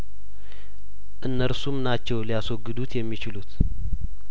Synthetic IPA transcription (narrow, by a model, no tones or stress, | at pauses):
ʔɨnːəɾsumnat͡ʃːɛwlijasoɡɨd̪ut̪jɛmːit͡ʃɪlut̪